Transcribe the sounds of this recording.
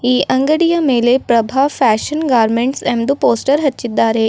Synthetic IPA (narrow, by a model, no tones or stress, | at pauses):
iːʔɐ̃ŋɡəɽijəmelepɾɐbʱaːʋfɛːʃənɡaːɾmẽɳʈsɛ̃md̪upoːsʈəɾɦɐtːt͡ʃːit̪d̪aːɾe